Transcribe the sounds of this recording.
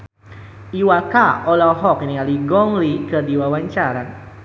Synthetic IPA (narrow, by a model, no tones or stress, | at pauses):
iwakaɔlɔɦɔkinialiɡɔŋlikədiwawaɲt͡ʃaɾan